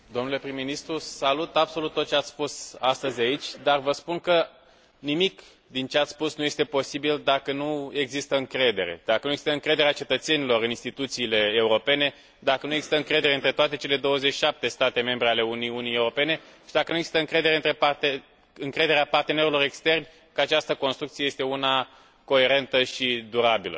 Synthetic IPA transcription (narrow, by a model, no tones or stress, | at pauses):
d̪o̞mnule̞pɾimːinist̪ɾusalut̪abso̞lut̪ːot̪̚t͡ʃeat̪sspusast̪əzʲait͡ʃʲd̪arvəspunkə | nimik | d̪int͡ʃe̞at̪sspusnuje̞st̪e̞po̞sibild̪akənue̞ɡzist̪əɨŋkɾe̞d̪e̞̰ɾe̞̰d̪̥akənujeɡz̥ist̪əɨŋkɾe̞d̪eɾeat͡ʃe̞t̪ət̪se̞nilo̞ɾɨninst̪it̪ut̪siːle̞ːuɾo̞pe̞ne̞ | d̪akənue̞ɡzist̪əɨŋkɾe̞d̪e̞ɾe̞ɨnt̪ɾet̪oat̪e̞t͡ʃe̞le̞d̪o̞wəzeʃi̥ʃap̚t̪e̞st̪at̪e̞me̞mbɾeale̞uniunijeuɾo̞pe̞ne̞ʃid̪akənujeɡzist̪əɨŋkɾe̞d̪eɾe̞ɨnt̪ɾepat̪e | ɨŋkɾe̞d̪e̞ɾeapart̪ene̞ɾelo̞ɾe̞kst̪e̞rnʲ | kəat͡ʃast̪əko̞nst̪ɾukt̪sijejest̪e̞una | ko̞e̞ɾe̞nt̪əʃid̪uɾabilə̰